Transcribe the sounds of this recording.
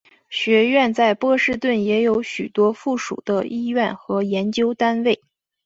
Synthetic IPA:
ɕɥɛ˧˥ɥɛ˥˧nt͡sa˥˧ɪpɤ˥˧ʂɻ̩˥˧t̪wə˥˩njɛ˧˥jo˧˥ʊɕy̰˨˩t̪wɔ˥fu˥˩ʂṵ˨˩d̪ə˦i˥˧ɥɛ˥˩nxɤ˧˥jɛ˧˥nt͡ɕjo˥ʊt̪a˥nwe˥˩ɪ

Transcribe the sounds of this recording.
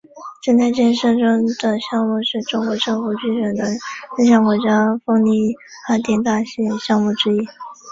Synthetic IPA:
ʈ͡ʂə˥˧nt͡s̪ʰa˥˧t͡ɕɛ˥˧˥nʂɤ˥˧ŋʈ͡ʂɤ˥ŋd̪ə˨ɕjɑ˥˧ŋmu˥˧ʂɻ̩˥˩ʈ͡ʂʊ˥ŋkwɔ˧˥ʈ͡ʂɤ˥˧ŋfu˧˥t͡ɕy˥˩ʈ͡ʂə˧˥nd̪ə˧ə˥˧ɕ̬jɑ˥˩ŋkwɔ˧˥t͡ɕjɑ˥fɤ˥ŋni˥˩ | xa˧˥nt̪jɛ˥˩nt̪a˥˩ɕɛ˥˩ɕjɑ˥˧ŋmu˥˩ʈ͡ʂɻ̩˥i˥

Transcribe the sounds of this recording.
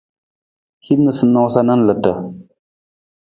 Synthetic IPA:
hi˦dnɨ˨sɨ˦nːɔ˦sa˦na˦n˦lɨ˨tːə˨

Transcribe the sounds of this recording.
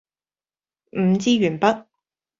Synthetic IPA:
m̩˨˧t͡siː˥ɥyː˨˩npɐ˥t̚

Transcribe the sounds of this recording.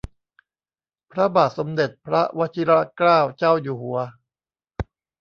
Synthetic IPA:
pʰɾa˦˥baː˨˩t̪̚so˩˦md̪e˨˩t̪̚pʰɾa˦˥wa˦˥t̪ʰi˦˥ɾa˦˥klaː˥˩wt͡ɕaː˥˩wjuː˨˩hu˨˩˦ɐ

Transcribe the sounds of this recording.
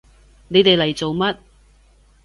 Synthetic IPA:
ne˨˧jt̪e˨jlɐ˨˩jt͡so˨wmɐ˥t̚

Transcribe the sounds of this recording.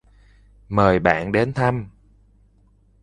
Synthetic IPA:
məː˨˩jɓa̰ː˧˨nɗe˨˦nt̪ʰa˧m

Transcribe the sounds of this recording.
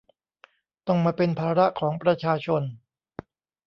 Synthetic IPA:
t̪ɔ˥˩ŋmaː˧pe˧npʰaː˧ɾa˦˥ʔkʰɔː˩˦ŋpɾa˧t͡ɕʰaː˧t͡ɕʰo˧n

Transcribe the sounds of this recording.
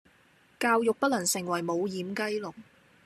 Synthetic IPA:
kaː˧wjʊ˨k̚pɐ˥t̚lɐ˨˩nsɪ˨˩ŋwɐ˨˩jmo˨˧wjiː˨˧mkɐ˥jlʊ˨˩ŋ

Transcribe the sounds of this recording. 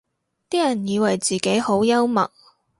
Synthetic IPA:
t̪iː˥jɐ˨˩njiː˨˧wɐ˨˩jt͡siː˨˩ke˨˥jho˨˥wjɐ˥wmɐ̰˨k̚

